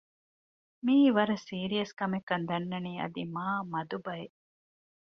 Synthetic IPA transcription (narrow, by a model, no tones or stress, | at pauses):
miːʋɐɾɐsiːɾijɐskɐmekːɐnd̪ɐnːɐniːɐ̰d̪imaːmɐd̪ubɐe